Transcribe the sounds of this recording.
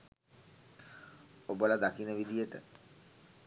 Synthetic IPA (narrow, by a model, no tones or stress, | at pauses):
obolad̪akinəʋid̪ijəʈə̰